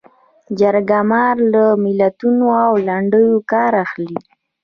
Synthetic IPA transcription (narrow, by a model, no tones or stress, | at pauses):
d͡ʒaɾɡamɑɾləmɪlat̪unoawlaɳɖəjokɑɾaxli